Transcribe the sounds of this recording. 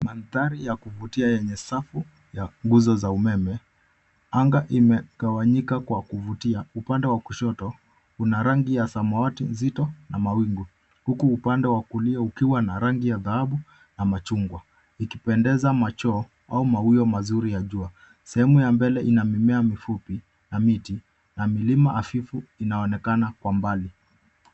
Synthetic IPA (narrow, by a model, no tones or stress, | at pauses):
manθaɾijakuvutiajɛɲɛsafu | jaŋɡuzɔzaumɛmɛ | aŋɡaʔimɛɡawaɲikakwakuvutiaupandɛwakuʃɔtɔ | hunaɾaŋɡijasamɔwatinzitɔnamawiŋɡu | hukuːpandɛwakuliaukiwanaɾaŋɡijaðahaɓu | namat͡ʃuŋɡwa | ikipɛndɛzamat͡ʃɔː | aumawiɔmazuɾijaʄua | sɛhɛmujambɛlɛʔinamimɛamifupi | namiti | namilimaʔafifuinaɔnɛkanakwambali